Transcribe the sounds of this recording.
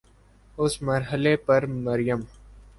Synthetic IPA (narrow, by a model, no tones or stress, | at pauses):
ʊsməɾɦəlepɐɾməɾɪjəm